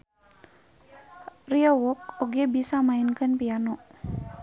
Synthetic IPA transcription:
riawɔk̚oɡebisamainkənpijanoʔ

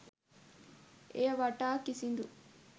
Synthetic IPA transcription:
eʋaʈːaːkisind̪u

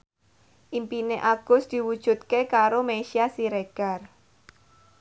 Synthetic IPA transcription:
ʔimpineʔaɡ̥ʊ̤sd̪̥i̤wud̥ʒ̥ṳt̪̚kekaɾomeʃiasiɾeɡ̥ar

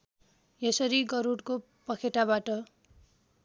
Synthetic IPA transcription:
jesʌɾiɡʌɾuɽko | pʌkʰeʈabaʈʌ

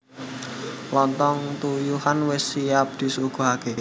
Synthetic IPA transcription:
lɔnt̪ɔŋt̪ujuhanwɪsːiap̚d̪̥i̤suɡ̥o̤ɦake

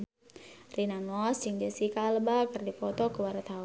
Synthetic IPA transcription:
rinanɔasiŋd͡ʒasikaləbakərdipɔt̪ɔkəwaɾat̪ɦa

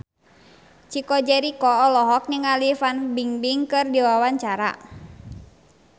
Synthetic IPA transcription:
t͡ʃikɔd͡ʒɛɾikɔːlɔɦɔk̚ɲəŋalifanbiŋbiŋkɨrdiwawaɲt͡ʃaɾa̰

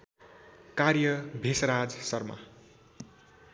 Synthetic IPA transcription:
karjʌbʱisɾad͡zsʌrma̰

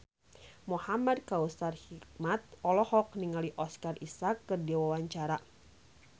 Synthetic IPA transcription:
muhamadkausarhik̚mat̪̚ɔlɔhɔk̚niŋaliʔɔskarʔisakːɨrdiwawaɲt͡ʃaɾa

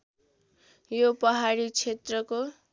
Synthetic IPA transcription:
jopʌɦaɾit͡sʰet̪rʌko

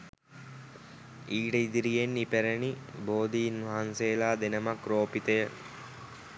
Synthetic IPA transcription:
iːʈəid̪iɾijenːipæɾəniboːd̪iːnʋaɦanseːlaːd̪enəmakroːpit̪əjə

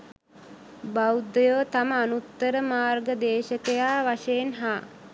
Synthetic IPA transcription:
bawd̪əjoːt̪aməanut̪ːəɾəmaːrɡəd̪eːʃəkejaːʋaʂeːnɦaː

